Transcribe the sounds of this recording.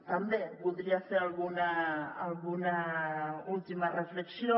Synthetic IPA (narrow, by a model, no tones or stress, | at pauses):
t̪ambepuðɾiaseɾalɣunaːlɣuna | ult̪imarefleksijo